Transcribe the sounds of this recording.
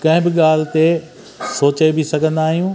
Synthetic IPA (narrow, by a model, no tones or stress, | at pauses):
kɐ̃ɦɪ̃bɪɠaːl̤ɪt̪e | soːt͡ɕaebisɐɡʱə̃nd̪aːɦijũː